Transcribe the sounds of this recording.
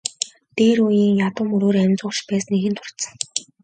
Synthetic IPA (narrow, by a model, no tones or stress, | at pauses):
t̪eːɾujiːŋjat̪ʊ̆ːmuɾoːɾæmʲt͡sʊːʃpæːsneɣɘ̆nt̪ʰʊr̥t̪sə̆ŋ